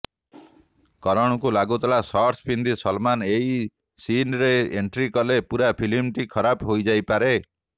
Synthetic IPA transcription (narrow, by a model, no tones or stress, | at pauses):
kɔɾɔɽ̃ɔkulaɡut̪ɔlasɔɾspʰind̪isɔlmaneɦi | sinɾeeɳʈɾikɔlepuɾapʰilimʈikʰɔɾapɦojd͡ʒajpaɾe